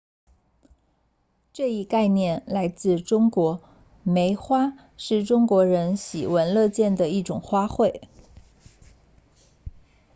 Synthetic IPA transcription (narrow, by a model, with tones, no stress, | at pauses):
ʈ͡ʂɤ˥˧i˥˧ka˥˧ɪnjɛ˥˩nla˧˥ɪt͡sɹ̩˥˩ʈ͡ʂʊ˥ŋkwɔ˧˥ | me˧˥ɪxwa˥ | ʂɻ̩˥˩ʈ͡ʂʊ˥ŋkwɔ˧˥ɻə˧˥nɕḭ˨˩wə˧˥nlɤ˥˧t͡ɕjɛ˥˩nd̪ə˩i˥˩ʈ͡ʂʊ˨˩ŋxwa˥xwe˥˩ɪ